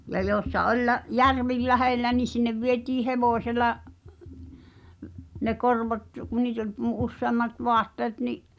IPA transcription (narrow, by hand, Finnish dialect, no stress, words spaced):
jɑ joːĕsːɑ ʔolʲ læ jærʋi læhelːæ ni sinːeʋ ʋietiː heʋoˑsʲelɑ ne korʋot ku niːt olʲ mu usːeɑmːɑt ʋoɑtːeːt niʔ